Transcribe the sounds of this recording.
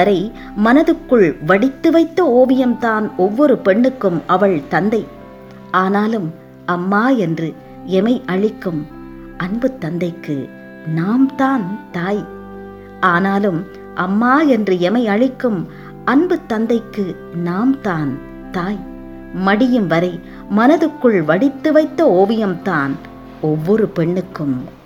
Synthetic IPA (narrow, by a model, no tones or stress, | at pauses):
ɐɾɐɪ | mɐnɐðɯkːɯɭʋɐɽɪt̪ːɯʋɐɪt̪ːɐoːʋɪjɐmt̪aːnɔʋːɔɾɯpɛɳːɯkːɯmɐʋɐɭt̪ɐnd̪ɐɪ | ʔaːnaːlɯm | ɐmːaːɛndrɯ | ɛmɐɪʔɐɻɪkːɯm | ʔɐɳbɯt̪ːɐnd̪ɐɪkːɯ̰ | naːmt̪aːnt̪aːj | ʔaːnaːlɯm | ʔɐmːaːɛndrɯɛmɐɪɐɻɪkːɯm | ɐnbɯt̪ːɐnd̪ɐɪkːɯ | naːmt̪aːn | t̪aːj | mɐɽɪjɯmʋɐɾɐɪ | mɐnɐðɯkːɯɭʋɐɽɪt̪ːɯʋɐɪt̪ːɐoːʋɪjɐmt̪aːn | ɔʋːɔɾɯpɛɳːɯkːɯm